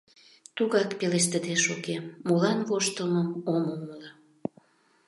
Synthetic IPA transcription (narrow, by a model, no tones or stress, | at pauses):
t̪uɣɑkpeles̬t̪əd̪eʃokeːolɑnβoʃt̪əməmomomələ